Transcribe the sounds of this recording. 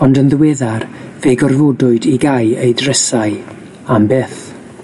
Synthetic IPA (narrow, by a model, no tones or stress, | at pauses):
ɔndənðəwɛðarveːɡɔrvodʊɨdiɡajejdrəsaɨ | ambeːθ